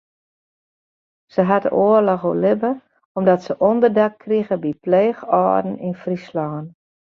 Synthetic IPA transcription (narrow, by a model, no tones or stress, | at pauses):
səɦatə̰ʔoərlɔxolɪbə | ɔmdɔtsəʔɔndərdakːriɣəbipleːxɔ̰ːdn̩infrislɔːn